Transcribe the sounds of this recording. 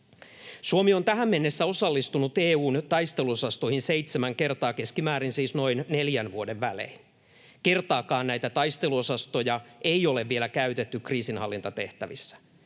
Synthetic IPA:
suomiont̪æɦæmːe̞nːesːæo̞sɑlːist̪unut̪eːuːnt̪ɑjst̪e̞luosɑst̪oihinseit̪semæŋke̞rt̪ɑːke̞skimæːɾinsiːsno̞inne̞ljænʋuode̞ʋʋælḛin | ke̞rt̪ɑːkɑːnnæjt̪æt̪ɑjst̪e̞luo̞sɑst̪o̞jɑe̞io̞le̞ʋːie̞lækæyt̪et̪ːykriːsinhɑlːint̪ɑt̪e̞ht̪æʋisːæ̥

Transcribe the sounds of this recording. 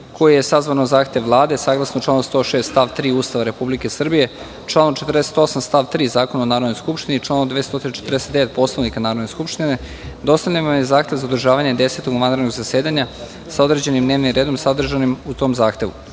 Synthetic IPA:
kʰo̞jije̞sazʋanozaːxt̪eʋʋlˠaːd̪e̞saːɡlˠasnot͡ʃlaːnost̪o̞ʃe̞ːst̪t̪aʋt̪ɾiːuːst̪aʋaɾe̞publike̞sr̩bije̞ | t͡ʃlˠaːnot͡ʃet̪ərd̪eset̪o̞samst̪aːʋt̪ɾiːzaːkonaonaːɾod̪nojskupʃt̪init͡ʂlˠaːnod̪eest̪o̞t̪inat͡ʃet̪ɾrd̪eset̪d̪eʋet̪̚po̞slˠaʋnikanaːɾod̪ne̞skupʃt̪ine | d̪o̞st̪aʎʲanmamjezaːxt̪eʋzaod̪r̩ʒaːʋaɲe̞d̪e̞se̞t̪oɡʋanɾed̪noɡzase̞ːd̪aɲa | sao̞d̪ɾe̞d͡ʑe̞nimd̪ne̞ːʋnimɾe̞ːd̪o̞msad̪r̩ʒanimut̪o̞mzaːxt̪e̞ʋṵ

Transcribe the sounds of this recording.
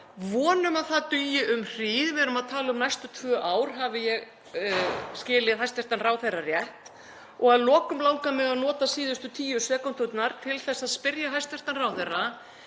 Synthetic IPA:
vɔːnʏmaðθat̪ʏːjɪʔʏmr̥iːðvɛɾʏmaðt̪ʰaːlɪʏmnajst̪ʏt̪ʰvœːʔaːwɾ̥ɦavɪjɛɣ | scɪːlɪðɦajst̪ɛɾ̥t̪anraːwθɛrːarjɛht̪ | ɔɣaðlɔːkʏmlaːwŋkamɪɣaðnɔːt̪asiːðʏst̪ʏt̪ʰiːjʏsɛːkɔnt̪ʰʏt̪naɾ̥t̪ʰɪlθɛsːaðspɪɾjaɦajst̪ɛr̥t̪anraːwθɛrːa

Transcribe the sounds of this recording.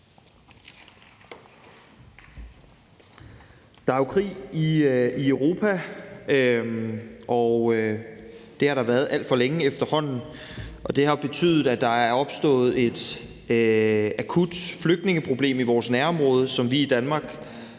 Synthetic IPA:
d̥ɑ̈ækʰʁḭːiiøʊʁo̝ːpʰæ | ʔɒʊ | d̥e̝hɑ̈ɾɑ̈ʋæɐðˠæl̰d̥fɒ̽leŋəefd̥ɐhɒ̽n̰n̩ | ʔɒ̽d̥e̝ɦɑ̈b̥e̝t͡sʰy̰ːð̩ˠæd̥ɑ̈æɐɐɒ̽b̥sd̥ɔ̰̽ːð̞̩ˠe̝d̥ | ækʰud̥fløɡ̥̚d̥ne̝ŋəpʰʁo̝b̥le̝̰ːmiʋɒːsnæɐɒ̽mʁɔ̽ːð̞ˠəsɒ̽mʋiid̥ænmɑ̈ːɡ̥

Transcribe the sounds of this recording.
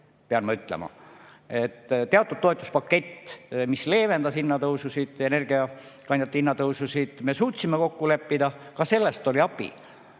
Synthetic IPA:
peɑnmɑyt̪ˑlḛmɑ̰ | e̞t̪ːt̪ːeɑt̪ːˑud̪̥̚t̪ːo̞et̪ːˑu̥spɑkːe̞t̪ːmisle̞ːve̞nd̪ɑsinːɑt̪ɤwsusid̪̥e̞ne̞rɡ̥iɑkɑnjɑt̪ːinːɑt̪ɤwsusid̪̥me̞suːt̪simeko̞kːule̞pːid̪ɑkɑse̞lːest̪o̞lʲiɑpːḭ

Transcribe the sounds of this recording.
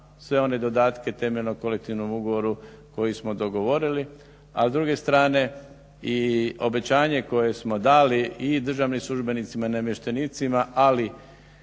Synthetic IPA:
sʋe̞o̞ne̞d̪o̞d̪aːt̪ke̞t̪e̞meʎnoko̞lek̚t̪iʋno̞muɡoʋo̞ɾuko̞jismo̞d̪o̞ɡo̞ʋo̞ɾili | a̰zd̪ɾuɡe̞st̪ɾaːne̞ | io̞be̞t͡ɕaːɲe̞ko̞je̞smo̞d̪aːliid̪r̩ʒaːʋnimslˠuʒbe̞nit̪simainemjeʃt̪eniːt̪simaʔali

